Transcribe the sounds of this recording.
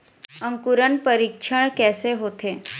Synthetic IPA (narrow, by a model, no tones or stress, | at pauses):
ə̃ŋkuɾəɳpəɾikʃʰəɳ̃kɛseɦot̪e